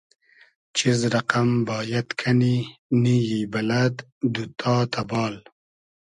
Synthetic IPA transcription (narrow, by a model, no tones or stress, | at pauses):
t͡ʃizɾaqambɑːjat̪kʰaninijibalad̪ | d̪ut̪ʰɑːt̪ʰabɑːl